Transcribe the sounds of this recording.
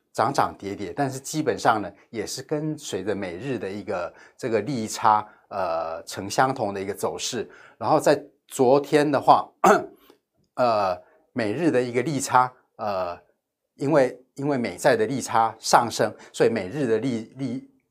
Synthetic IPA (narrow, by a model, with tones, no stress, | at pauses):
ʈ͡ʂɑ˧˥ŋʈ͡ʂɑ˨˩ŋt̪jɛ˧˥t̪jɛ˨˦t̪a˥˧nʂ̬ɻ̩˥˩t͡ɕi˥pə˨˩nʂɑ˥˩ŋnə˩jɛ˨˩ʂɻ̩˥˩kə˥nswe˧˥ɪd͡zə˧me˨˩ɪɻɻ̩˥˩d̪ə˩i˧˥ɡə˨ | ʈ͡ʂɤ˥˩ɡə˩li˥˩ʈ͡ʂʰa˥ | ə˩ʈ͡ʂʰɤ˧˥ŋɕjɑ˥ŋt̪ʰʊ˧˥ŋd̪ə˧˨i˧˥ɡə˧t͡so˨˩ʊʂɻ̩˥˩ | ɻa˧˥nxo˥˧ʊt͡sa˥˩ɪ | t͡swɔ˧˥t̪ʰjɛ˥nd̪ə˨xwa˥˩ | ə˩ | me˨˩ɪɻɻ̩˥˩d̪ə˩i˧˥ɡə˧li˥˩ʈ͡ʂʰa˥ | ə˩ | i˥nwe˥˩ɪ | i˥nwe˥˩ɪme˨˩ɪt͡sa˥˩ɪd̪ə˩li˥˩ʈ͡ʂʰa˥ʂɑ˥˨ŋʂɤ˥ŋswɔ˧˥i˧˥me˨˩ɪɻɻ̩˥˩d̪ə˩li˥˧li˥˩